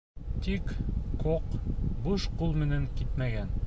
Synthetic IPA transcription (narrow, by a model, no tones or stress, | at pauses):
t̪ikkoqbɤʃqulˠmɘ̆næŋkit̪mæɡæn